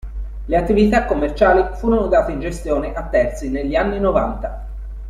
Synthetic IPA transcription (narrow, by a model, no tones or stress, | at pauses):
leat̪ːivit̪akːomːert͡ʃaːlifuːɾonod̪aːt̪eind͡ʒest̪joːneʔat̪ːɛrt̪sineʎːianːinovant̪a